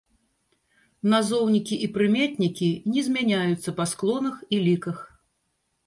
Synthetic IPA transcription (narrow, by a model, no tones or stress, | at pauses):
nazɔwnʲikʲiʔipɾɨmʲat̪ʲnʲikʲinʲɛzʲmʲanʲajut̪sːɐpasklˠɔnɐxilʲikɐx